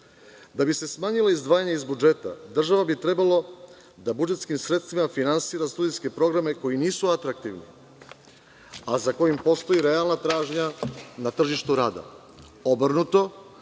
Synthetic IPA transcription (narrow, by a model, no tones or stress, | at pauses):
d̪abise̞smaːɲilˠaizd̪ʋaːjaɲaizbud͡ʒe̞t̪a̰d̪r̩ʒaʋabit̪ɾe̞balo̞ | d̪abud͡ʒet̪skimsɾet̪st̪vimafinansiːɾast̪ud̪ijske̞pɾo̞ɡɾame̞ko̞jiniːsuat̪ɾak̚t̪iʋnḭ | azako̞jimpo̞st̪o̞iɾe̞alˠnat̪ɾaːʒɲanat̪r̩ʒiʃt̪uɾaːd̪a̰ | o̞br̩nut̪o̞